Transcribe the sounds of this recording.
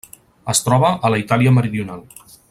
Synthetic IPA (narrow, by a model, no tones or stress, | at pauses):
əst̪ɾɔβ̞əʔələit̪aliəməɾiðiunalˠ